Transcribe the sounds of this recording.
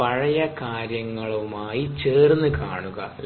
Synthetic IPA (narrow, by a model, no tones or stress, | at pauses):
ɐɻɐjɐkaːɾjɐŋːɐɭumaːjit͡ɕeːrnːɨka̰ːɳuɣɐ̰ʔ